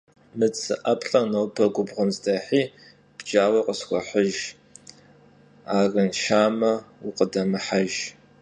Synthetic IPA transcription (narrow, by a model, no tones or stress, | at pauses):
mɨt͡sʰʼɨʔɐpʰʼɬʼɐnowpʰɐɡʷʊbʁənzdɐħiː | b̥d͡ʒaːwɐqʼəsxʷɔħəʒ | aːrɨnʃaːmɐwʊqədɐmɨħaʒ